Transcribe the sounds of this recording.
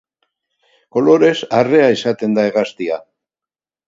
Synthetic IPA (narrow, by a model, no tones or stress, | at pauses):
ko̞lo̞ɾe̞sare̞aisat̪e̞nd̪aeɣast̪ia